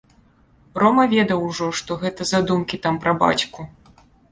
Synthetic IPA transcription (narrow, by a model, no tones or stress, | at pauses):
rɔmɐvʲɛd̪ɐwʐɔʂt̪ɔɣɛt̪ɐzad̪umkʲit̪ampɾɐba̰t͡sʲku